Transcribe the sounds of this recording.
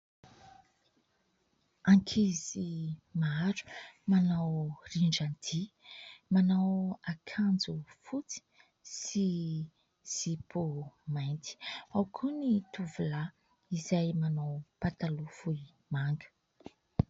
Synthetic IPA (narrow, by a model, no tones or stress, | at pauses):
aŋkʰizimaɾu̥manawriɳɖ͡ʐand̪imanawakʰand͡zufut͡si̥ | si | z̥ipumajnt̪i̥awkʰunit̪uvula | izajmanawpat̪alufui | maŋɡə̥